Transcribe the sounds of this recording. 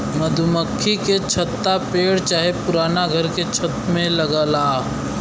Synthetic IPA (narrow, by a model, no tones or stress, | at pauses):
məd̪ʱʊməkʰːiket͡ʃʰɐt̪ːapeːɽt͡ʃaːɦepʊɾaːnaɡʱəɾket͡ʃʰət̪mẽlɐɡəlaː